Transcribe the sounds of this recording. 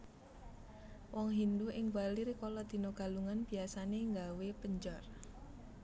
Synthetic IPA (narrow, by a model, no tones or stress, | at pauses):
wɔŋɦind̪uʔɪŋbaliɾkɔlɔd̪̥i̤noɡ̥a̤luŋanb̥i̤asaneŋɡawepəɲd͡ʒɔr